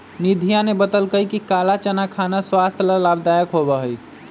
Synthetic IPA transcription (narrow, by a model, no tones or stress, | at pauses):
nid̪ʱijanebət̪əlkəjkikalat͡ʃanakʰanaswast̪ʰlalabd̪ajəkɦobəɦəj